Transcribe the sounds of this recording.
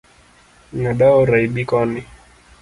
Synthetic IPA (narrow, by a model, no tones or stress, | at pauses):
naɗaɔɾaiɓikɔni